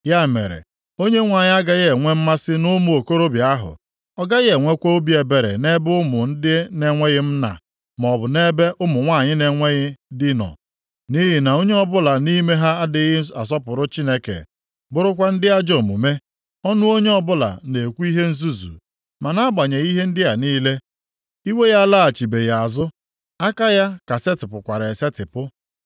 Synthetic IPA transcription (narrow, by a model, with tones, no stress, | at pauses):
ja˦˨mḛ˨ɾḛ˨ | o˦ɲe˦ŋʷa˨ɲɪ˦a˦ɡa˦ɣe˨ŋʷe˦m̩˦ma˦sɪ˦nʊ˦mʊ˨o˨ko˦ɾo˦bja˦ɦʊ̰˨ | ɔ˦ɡa˦ɣe˨ŋʷe˦kʷo˦o˦bi˦e˨be˨ɾḛ˨ne˦bʊ˦mʊ˨n̩˦dɪ˦ne˨ŋʷe˦ɣɪ˦m̩˦na̰˨ | m˨ɔ˨bʊ˨ne˦be˦ʔʊ˦mʊ˨ŋʷa˦˨ɲɪ˦ne˨ŋʷe˦ɣɪ˦dɪ˦nɔ̰˨ | ni˦ɦɪ˨na˨o˦ɲe˦ɔ˦bʊ˦la˨ni˦me˦ɦa˦a˦dɪ˦ɣɪ˦a˨s̬ɔ˦pʊ˨ɾʊ˦t͡ʃi˦ne˦kḛ˨ | bʊ˦ɾʊ˦kʷa˦n̩˦dɪ˦a˦d͡ʒo˨mṵ˨me˦ | ɔ˦nʊ˦o˦ɲe˦ɔ˦bʊ˦la̰˨ne˨kʷu˦i˦ɦe˦n̩˦zu˦zṵ˨ | ma˨na˦a˦ɡ͡ba˨ɲe˨i˦ɦe˦n̩˦dɪ˦ja˨niː˦le˦ | i˦we˦ja˦la˦a˨t͡ʃi˨be˨ja˨a˨zʊ˦ | a˦ka˦ja˦ka˨se˦tɪ˨pʊ˨kʷa˨ɾe˨se˦tɪ˨pʊ˦